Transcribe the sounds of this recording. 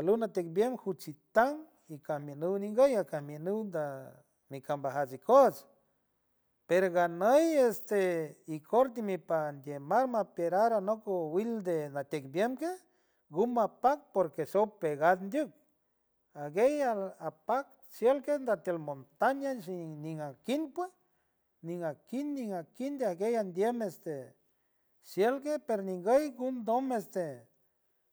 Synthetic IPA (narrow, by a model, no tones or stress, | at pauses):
alunat̪ek̚bjemhut͡ʃit̪aŋ | ikahmjenuwniŋɡəjakahmjenuwnd̪a | mikambaɦat͡sikos | peɾoɣanəjest̪eikʰoɾt̪̬imipand̪ʲjemaɾmapeɾaɾanokowild̪enat̪ʲek̚bjemke | ɡumapak̚poɾkesopeɣad̪nd̪juk̚ | aɡejaapak̚ | sjelkend̪at̪jelmont̪aɲaʃiniŋakinpwe | niŋakinːiŋakind̪eaɡejand̪jemest̪e | sjelkepeɾoniŋɡejɡund̪omest̪e